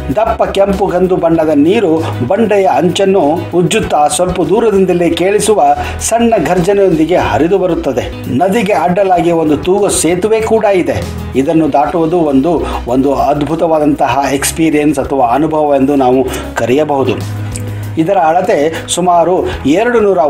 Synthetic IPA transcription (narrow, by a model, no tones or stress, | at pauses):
d̪ɐpːɐkempuɡɐnd̪ubɐɳɖɐd̪ɐniːɾu | bɐɳɖɛjɐɐɲt͡ʃɐnːuːdːut̪ːaːsʋɐlpɐd̪uːɾɐd̪ind̪ɐlːikeːɭisuʋɐ | sɐɳːɐɡʱɐɾd͡ʒɐnɛjo̞nd̪iɡe̞hɐɾid̪ubɐɾut̪ːɐd̪e̞ | nɐd̪iɡe̞ɐɖːɐlaːɡio̞nd̪ut̪uːɡɐseːt̪uʋe̞ːkuːɽaid̪e | id̪ɐnːud̪aːʈuʋɐd̪uond̪uond̪uɐd̪bʱut̪ɐʋaːd̪ɐnt̪ɐɦɐekspiːɾijɐnsɐt̪ʰɐʋaːɐnubʱɐʋɐʋend̪unaːʋu | kɐɾijɐbɐɦud̪u | id̪ɐɾɐːɭɐt̪e̞ | sumaːɾueɾɐɽunuːɾɐ